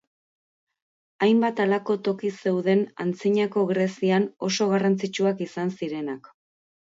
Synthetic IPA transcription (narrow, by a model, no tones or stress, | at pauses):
ajmbat̪alako̞t̪o̞kise̞wðe̞na̰nt͡siɲako̞ɣɾesiano̞so̞ɣ̞arant͡sit͡ʃuakisansiɾe̞nak